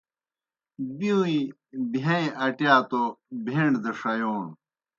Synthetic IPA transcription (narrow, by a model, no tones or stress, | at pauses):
biũi | bʱɐ̃iʔɐʈjaːt̪obʱeɳɖd̪eʂɐjoːn